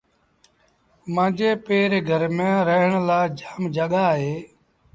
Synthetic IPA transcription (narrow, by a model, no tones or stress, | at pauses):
mãːd͡ʒeːpeːɾeɡʱəɾmẽːɾəɦəɳlaːd͡ʒaːmd͡ʒəɠaːɦeː